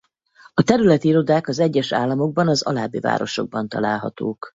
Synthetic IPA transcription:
ɒt̪ɛɾylɛt̪iiɾo̞d̪aːkɒzɛɟːɛʃa̰ːlːɒmo̞ɡ̚bɒnɒzɒ̰laːbːiva̰ːɾo̞̰ʃo̞̰ɡ̚bɒnt̪ɒ̰laːlɦɒ̰t̪oːk

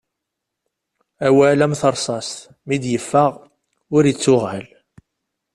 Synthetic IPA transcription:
æwælæmθəɾˤsˤɑst̪ | mid̪jəfːaʁ | ʊɾjət͡sːʊʁəl

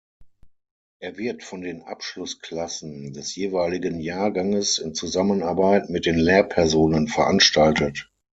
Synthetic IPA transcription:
ʔeːɐvɪɐtfɔndeːnʔa̰pʃlʊskl̥asn̩dɛsjeːvaɪlɪɡənjaːɐɡaŋəsɪnt͡suzamənaɐbaɪtmɪt̚d̥eːnlɛːɐpʰɛɐzoːnənfɛɐʔanʃtaltət

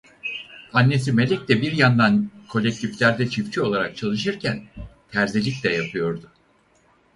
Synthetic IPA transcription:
anːe̞s̬ime̞lʲɛc̚d̪ɛbiɾjand̪ankʰo̞lʲːec̚t̪ʰiflʲæɾd̪ɛt͡ʃʰift͡ʃʰio̞lˠaɾak̚t͡ʃʰalˠɯʃ̬ɯɾcʰænt̪ʰæɾzilʲicʲlʲɛjapʰɯjo̞ɾd̪ʊ

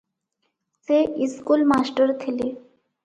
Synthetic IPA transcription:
seiskulmasʈəɾt̪ʰele

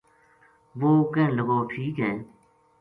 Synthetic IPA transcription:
ʋoːkẽːləɡoːʈʰiːkɦɛ̃ː

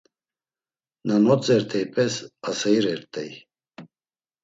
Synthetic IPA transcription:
nanɔt͡sʼɛɾt̪ʰɛjpʼɛsasɛjɾɛɾt̪ʼɛ̰j

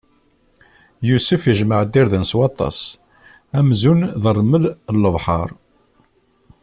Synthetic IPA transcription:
jusəfjəʒməʕd̪iɾðənswɑt̪ˤɑ̰s | æmzunðərˤməðəlːəvħɑ̰ɾˤ

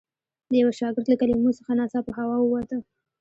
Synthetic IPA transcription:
d̪əjaweʃɑɡɪɾt̪lakalimosəxanɑsɑpəɦawɑwəwat̪ə

